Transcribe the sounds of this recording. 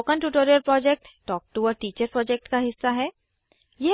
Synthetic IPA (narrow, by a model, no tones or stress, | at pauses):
kənʈuʈoːɾijəɾpɾɔːd͡ʒɛk̚ʈːʈɔːk̚ʈuɔːɾʈiːt͡ʃəɾpɾɔːd͡ʒɛk̚ʈkaɦɪsːaɦɛː | je